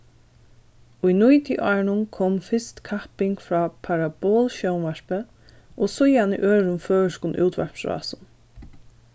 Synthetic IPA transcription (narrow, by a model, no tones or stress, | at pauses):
ujnujt̪iʔɔːɹnʊnkʰoːmfɪst̪kʰapɪŋkfɾɑːpʰaɹaboːlʃɔwnʋɛɹpə | ʔɔsʊjhanḭʔøːɹʊnføːʃkʊnʔṵːt̪ʋɛ̰ɹpsɹɑ̰ːsʊn